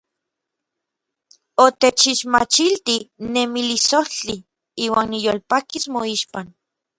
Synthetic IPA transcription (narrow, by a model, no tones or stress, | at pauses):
ot̪et͡ʃiʃmat͡ʃilt̪inemilisoht͡ɬi | iːwaːnːijoːlpakismoiʃpan